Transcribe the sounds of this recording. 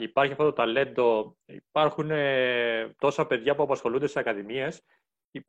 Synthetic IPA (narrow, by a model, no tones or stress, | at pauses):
ipɐɾçiɐft̪ot̪ot̪ɐle̞nd̪o̞ | ḭpɐɾxunet̪o̞sɐpe̞ðʝɐpuɐpɐsxo̞lund̪essɐkɐðimie̞s | i